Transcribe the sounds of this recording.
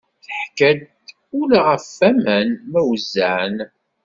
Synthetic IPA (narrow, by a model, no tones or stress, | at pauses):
θəħkæd̪ | ʊlaʁəfːæmænmæwzːæʕn